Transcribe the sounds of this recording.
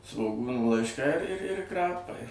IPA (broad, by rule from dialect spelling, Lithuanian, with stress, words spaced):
sʋoːˈɡuːnuː lˠɐɪʃˈkɐɪ ɪr ɪr ɪr ˈkrɑːpɐɪ